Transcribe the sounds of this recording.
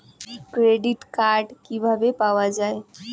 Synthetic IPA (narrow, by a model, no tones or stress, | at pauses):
kɾeɖiʈkaɾɖkibʱabepawad͡ʒae